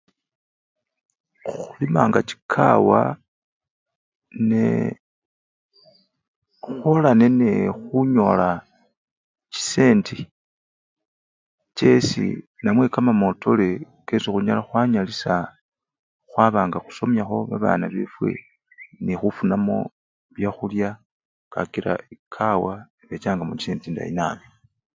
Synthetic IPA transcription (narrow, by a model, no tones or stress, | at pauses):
xulimaːŋɡat͡ʃi̥kʰa̰wa̰ | ne | xwolane̞nexuɲo̞la | t͡ʃi̥se̞ːnti | t͡ʃe̞sḭ | namwe̞kamamo̞tʰo̞le | kesixuɲalaxwaɲalisa | xwaβaːŋɡaxu̥so̞mjaxo̞βaβa̰ːnaβe̞fwe̞̰ | nixufunamo̞̰ | βjaxulja | ka̰kiɾa̰ikʰawa | βet͡ʃaːŋɡamut͡ʃi̥seːntinda̰ḭnaːmi